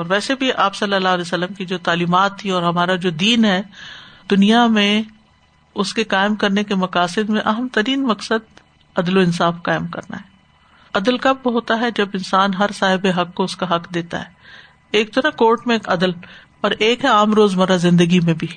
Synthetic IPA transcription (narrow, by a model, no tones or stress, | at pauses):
ɔːɾʋɛːsebʱiʔaːpsɐlːəlaːɦlɛsəlːəmkid͡ʒoːt̪aːliːmaːt̪ʰːiɔːɾɦɐmaːɾad͡ʒoːd̪iːnɦɛːd̪̥ʊnijamẽ | ʊskekaːɪmkɐɾnekemɐkaːsɪd̪mẽʔɐɦəmt̪ɐɾiːnmɐksəd̪ | ɐd̪loɪnsaːfkaːɪmkɐ̰ɾna̰ɦɛː | ɐd̪əlkɐbʋoɦoːt̪aɦɛd͡ʒɐbɪnsaːnɦɐɾsaːɦɪbeɦɐkːoʊskaɦɐqd̪eːt̪a̰ɦɛː | eːk̚t̪onakoːɾʈmẽːkɐd̪əlpɐɾʔeːkɦɛaːmɾoːzmɐɾazɪ̃nd̪əɡimẽbʱi